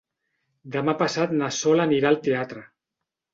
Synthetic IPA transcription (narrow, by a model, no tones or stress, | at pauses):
d̪əmapasat̪̚nasɔlaniɾalˠt̪eat̪ɾə